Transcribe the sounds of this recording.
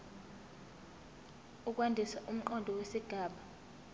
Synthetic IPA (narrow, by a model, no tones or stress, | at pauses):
uk̬ʼwandʱisaʔum̩ǃɔndʱɔwesiɡ̥ʱaːɓa